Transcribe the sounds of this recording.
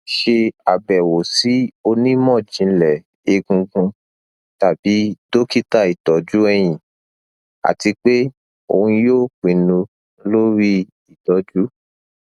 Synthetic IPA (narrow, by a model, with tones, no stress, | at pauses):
ʃe˧a˨bɛ˨wo˨si˨˦o˧nĩ˦mɔ̃˦˨d͡ʒĩ˨˧˦lɛ˨ | e˧ɡũ˧ɡũ˧ | ta˨bi˨˦do˦ki˦ta˦˨i˨tɔ˨˦d͡ʒu˦ɛ˧j̃ĩ˨ | a̰˨ti˧k͡pe˦ | o˧hũ˧jo˦˨k͡pĩ˨˦nũ˧ | lo˦ɾi˦ | i˦˨dɔ˨˦d͡ʒu˦